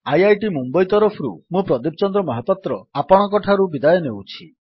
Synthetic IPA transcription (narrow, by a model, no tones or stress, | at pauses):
ajajʈimumbɔjt̪ɔɾɔpʰɔɾṵmũpɾɔd̪ip̚t͡ʃɔnd̪ɾɔmɔɦɔpɔt̪ɾɔapɔɽ̃ɔkɔʈʰaɾubid̪ajɔnewt͡ʃʰi